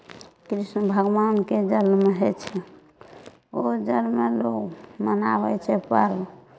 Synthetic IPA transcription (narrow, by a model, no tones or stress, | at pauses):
kɾisnəbʱəɡʋanked͡ʒəlmeɦet͡ʃʰɛ | od͡ʒəlmelokmənaβɛt͡ʃʰɛpəɾb